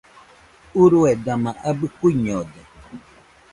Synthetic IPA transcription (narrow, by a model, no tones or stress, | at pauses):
uɾued̪amãʔabɨkuiɲod̪e